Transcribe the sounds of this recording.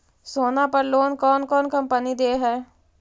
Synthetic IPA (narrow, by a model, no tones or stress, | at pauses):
soːnapəɾloːnkɔːnkɔːnkɐ̃mpənid̪eːɦɛː